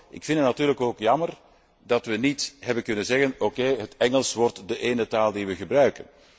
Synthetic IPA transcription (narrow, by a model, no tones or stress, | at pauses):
ʔɪkfɪndətnɑtyːrləkoːkjɑmər | dɑtʋənitɦɛbənkɵnənzɛɣənokeːɦətɛŋəlˠsʋɔrtdəʔeːnətaːlˠdiʋəɣəbrœɥkən